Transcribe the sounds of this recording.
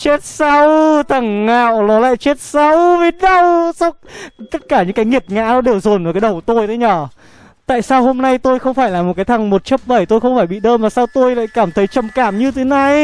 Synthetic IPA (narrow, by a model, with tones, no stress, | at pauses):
t͡ɕe˦˥t̚sa˧wt̪ə˨˩ŋːa̰ː˧˨wnɔ˨˦la̰ː˧˨jt͡ɕe˦˥t̚sa˧wve˨˦ɗə˧wsɔ˦˧wt̪ə˦˥t̚kaː˧˩ɲɨ̰˧˥ŋkaː˨˦jŋi˨˩ət̚ŋa̰ː˧˥ɗɔ˨˦ɗe˨˩wzo˨˩nː˨˩kaː˨˦jɗə˨˩wt̪o˧jt̪ʰe˨˦ɲɔː˧˩ | t̪a̰ː˧˨jsaː˧who˧mna˧jt̪o˧jxə˧wŋ͡mfaː˧˩jlaː˨˩mo˨˩t̚kaː˨˦jt̪ʰa˨˩ŋmo˨˩t̚t͡ɕə˦˥p̚ɓə˧˩jt̪o˧jxə˧wŋ͡mfaː˧˩jɓḭ˧˨ɗəː˧mmaː˨˩saː˧wt̪o˧jla̰ː˧˨jkaː˧˩mt̪ʰə˨˦jt͡ɕə˨˩mkaː˧˩mɲɨ˧t̪ʰe˨˦na˨˩j